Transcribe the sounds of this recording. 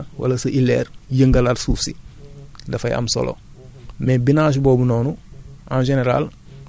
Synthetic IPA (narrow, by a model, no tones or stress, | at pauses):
wɐ̰lasɐʔilḛːɾjəŋɡaladsuːfsḭ | dɐfɐjʔɐ̰mso̰lo̰ | mɛbinaːʃ̬boːbunoːnuʔãnʒeneɾa̰l